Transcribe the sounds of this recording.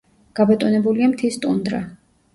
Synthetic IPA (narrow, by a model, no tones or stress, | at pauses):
ɡ̥abɛt̪ʼunɛbuliamt̪ʰist̪ʼund̪ɾa